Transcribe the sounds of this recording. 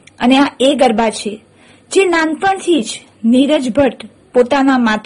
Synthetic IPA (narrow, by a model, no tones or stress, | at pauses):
əneaeɡəɾbat͡ʃʰe | d͡ʒenãnt̪ənt̪ʰid͡ʒ | niɾəd͡ʒbʱəʈ | pot̪anamat̪